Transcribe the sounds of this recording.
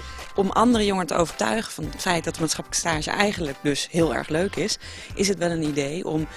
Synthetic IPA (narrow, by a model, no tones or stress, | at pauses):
ʔɔmʔɑndərəjoŋəɹtə̰o̰wvəɹtœ̰ɥχəv̥ɑnətfɛjt̚dɑt̚dəmaːtsχɑpləkə̥staːʒə̰ʔɛjχənlək̚dɵsɦɪːlˠɛ̰ɹχløɥkɪs | ʔɪsɦətʋɛlˠənidejɔ̰m